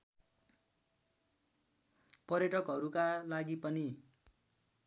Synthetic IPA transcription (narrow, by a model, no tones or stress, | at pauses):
pʌrjʌʈʌkɦʌɾukalaɡipʌni